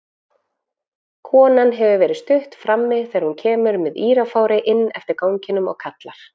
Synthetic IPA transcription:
kʰɔːnanɦɛvʏvɛːɾɪðst̪ʏht̪fɾamːɪðθɛɾ̥huncʰɛːmʏɾmɪðiːɾafaːwɾɪʔɪnːɛft̪ɪɾkaːwŋcɪnːʏmɔ̰ɣkʰat̪laɾ̥

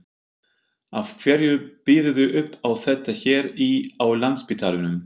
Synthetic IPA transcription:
av̥kʰv̥ɛɾjʏpɪðɪðʏʔʏhpːawθɛt̪ːaçɛːɾiawlant̪spit̪ʰaːlʏnʏm

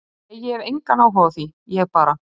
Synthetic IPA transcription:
ɛjɛɛvejŋkanawɦɔðθijɛɣpaːɾa

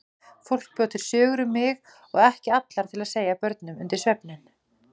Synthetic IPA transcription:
fowl̥k̚pjɔːt̪ʏɾ̥sʏːɣʏɾʏmːɪɣ | ɔɣɛhcɪat̪laɾ̥t̪ʰɪlaðseːjapœɾt̪nʏmʏnt̪ɪɾ̥svɛpnɪn

